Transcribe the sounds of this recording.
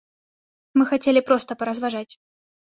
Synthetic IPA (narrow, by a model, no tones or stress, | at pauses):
mɨxat͡sʲelʲɪpɾɔst̪əpɐɾɐzvaʐat͡sʲ